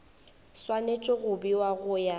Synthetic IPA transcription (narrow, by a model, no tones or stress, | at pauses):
swanet͡ʃʼɔɣʊbiwaɣʊja